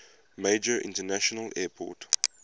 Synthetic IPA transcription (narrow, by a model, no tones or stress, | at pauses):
meɪd͡ʒəɹʔɪ̰̃ntənæʃɔnəlʔɛːpʰɔ̰ˑt